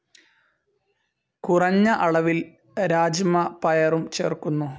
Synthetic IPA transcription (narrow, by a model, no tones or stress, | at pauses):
kurɐɲːɐʔɐɭɐʋil | ɾaːd͡ʑmɐpɐjɐrumt͡ɕeːrkunːu